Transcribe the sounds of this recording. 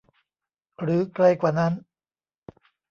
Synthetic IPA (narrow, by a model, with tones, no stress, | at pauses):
ɾɯː˩˦kɾa˧jkwaː˨˩na˦˥n